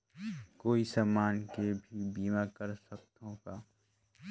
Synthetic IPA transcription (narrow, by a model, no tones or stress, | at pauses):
koːisaːmaːnkebʱibiːmakəɾsɐk̚t̪õkaː